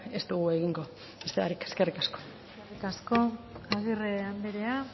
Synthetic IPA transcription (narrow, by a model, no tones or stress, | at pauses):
e̞st̪uɣue̞ɣiŋɡo̞ | best̪eaɾikeske̞rikasko̞̥ | skerikasko̞aɣireamd̪eɾe̞a